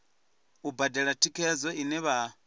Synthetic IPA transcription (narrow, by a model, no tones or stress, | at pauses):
ubadɛɺatʰikʰɛzɔinɛβa